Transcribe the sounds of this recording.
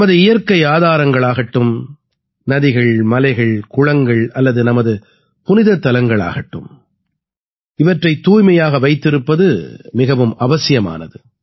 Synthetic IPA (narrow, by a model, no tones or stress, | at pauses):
mɐðɯɪjɐɾkɐɪaːðaːɾɐŋɡɐɭaːɣɐʈːɯm | nɐðɪɣɐɭmɐlɐɪɣɐɭkʊɻɐŋɡɐɭɐlːɐðɯnɐmɐðɯ | pʊnɪðɐt̪ːɐlɐŋɡɐɭa̰ːɣɐʈːɯm | ɪʋɐʈrɐɪt̪ːuːjmɐjaːɣɐʋɐɪt̪ːɪɾɯpːɐðɯmɪɣɐʋɯmɐʋɐsɪjɐma̰ːnɐðɯ